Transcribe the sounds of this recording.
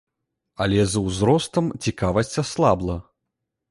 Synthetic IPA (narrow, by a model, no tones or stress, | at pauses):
ɐlʲɛzɐwzɾɔst̪ɐmt͡sʲikavɐsʲt͡sʲaslˠablˠɐ